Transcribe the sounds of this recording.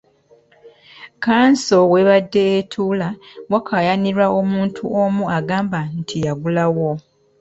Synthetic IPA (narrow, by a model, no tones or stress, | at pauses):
kaːnso̞weβadːe̞ːtʰuːlawakʰajaniɾao̞muːntʰuomuaɡaːmbantʰijaɡulawo